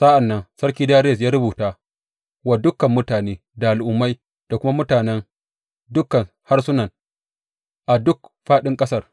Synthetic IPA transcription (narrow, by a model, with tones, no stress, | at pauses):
sa˦ʔa˨nːɐ˦nsɐ˦ɾkʲiː˦daː˦ɾe˦˨s̬jaː˦ɾʊ˦buː˨taː˦ | wa˨dʊ˦kːɐ˨mːʊ˦taː˨neː˦ | da˨ʔa˨lʔʊ˨˦mːa˦j | d̥a˨kʷʊ˦ma˦mʊ˦taː˨nɛ˦ŋ | dʊ˦kːɐ˨n | ha˦rsʊ˦nɐ˨n | ʔa˨dʊ˦kɸaː˦ɗɪ˦ŋkʼɐ˦sɐ˦r